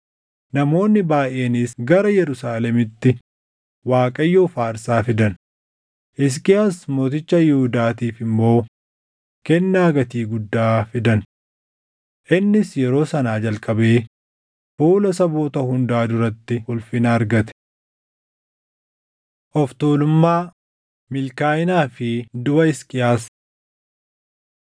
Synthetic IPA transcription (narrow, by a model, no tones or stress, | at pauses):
nɐmo̞ːnːɪbaːʔe̞ːniːsɡɐɾɐjɛɾʊsaːlɛmɪt̪ːɪ | waːkʼɐjːoːfaːɾsaːfɪd̪ɐn | ʔɪs̬kiɐsmo̞ːt̪̬ɪt͡ʃːɐjɪhʊd̪aːt̪iːfɪmːo̞ː | kɛnːaːɡɐt̪iːɡʊd̪ːaːfɪd̪ɐn | ʔɪnːɪsjɛɾo̞ːsɐnaːd͡ʒɐlkʼɐbe̞ː | fuːlɐsɐboːt̪ɐhʊnd̪aːd̪ʊɾɐt̪ːɪʊlfɪnaːɾɡɐt̪ɛ̥ | ʔɔft̪oːlʊmːaː | mɪlkaːjɪnaːfɪd̪ʊbɐɪskʼɪjaːs